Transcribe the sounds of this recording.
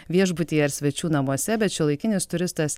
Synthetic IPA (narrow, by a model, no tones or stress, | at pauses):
ʋʲiɛʒbʊt̪ʲiːjɛɪɾsʲʋʲɛt͡ʃʲuːnɐmuɔsʲɛbʲɛt̪̚t͡ʃʲɛlˠɐɪkʲɪnʲɪst̪ʊɾʲɪst̪ɐs